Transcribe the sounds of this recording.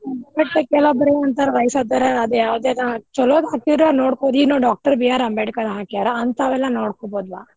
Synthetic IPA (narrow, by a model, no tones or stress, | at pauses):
ɐbeʈt̪ekɛlobɐɾeɐnt̪aɾɾɐjsɐd̪ɐɾeɐd̪ujaːʋd̪ed̪t͡ʃɔloːd̪ɦaːkid̪ɾanoːɽkod̪inoːɖaːk̚ʈɐɾbijaːɾɐmbeʈkɐd̪ɦaːkijaːɾɐɐnt̪ɐʋɛlːɐnoːɽkoːboːd̪ʋa̰ː